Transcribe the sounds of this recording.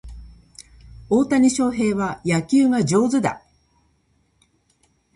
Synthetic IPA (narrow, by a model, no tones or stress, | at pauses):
o̞ːt̪aɲ̟iɕo̞ːɦe̞ːβajakʲɨːŋad͡ʑo̞ːzɨd̪a̰